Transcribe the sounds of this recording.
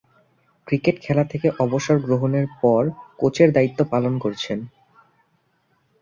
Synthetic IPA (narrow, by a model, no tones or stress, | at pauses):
kɾikeʈkʰɛlat̪ʰekeʔɔboʃoɾɡɾoɦoneɾpɔɾkot͡ɕʰeɾd̪ait̪ːopalonkoɾt͡ɕʰen